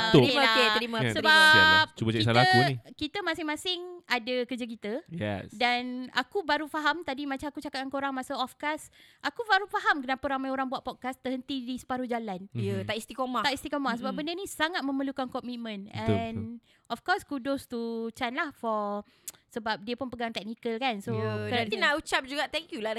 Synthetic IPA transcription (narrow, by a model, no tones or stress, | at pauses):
əimaokeɾimasəɾbap̚t͡ʃubət͡ʃasalakuikit̪əmãsɪŋmãsɪŋadəkəd͡ʒək̬it̪əjjɛ̰dana̰kubaɾufaɦamt̪adimãt͡ʃamakut͡ʃakat̪̚ankoɾaŋmasaɔfkasʔakubaɾufaɦamkənapaɾamajoɾaŋbuat̪̚pɔt̪̚kast̪əɦənt̪idisə̥paɾud͡ʒalanjət̪aist̪ikomat̪aʔist̪ikomahsəbap̚bəndənĩsaŋat̪̚mə̃məlukankɔmit̪̚mə̃nɛn | ʔɔfkɔskudʊst̪ut͡ʃanlahfɔ | səbap̚diəpʊnpəɡaŋt̪ɛk̚nikəlkansoəainaʔut͡ʃap̚d͡ʒuɡaʔt̪ɛŋkjula